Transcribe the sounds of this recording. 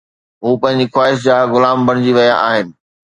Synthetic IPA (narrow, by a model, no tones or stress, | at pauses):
ɦuːpɐ̃ɦɪ̃ɲ̆d͡ʑixwaːɪʃd͡ʑaːɣʊlaːmbɐɽ̃ɪd͡ʑiʋɐja̰ʔaːɦɪnɪ̆